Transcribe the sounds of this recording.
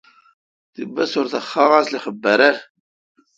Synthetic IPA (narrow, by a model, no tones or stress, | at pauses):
θəbːæsʊɾθəχːɑʁasliχəbːəɾæ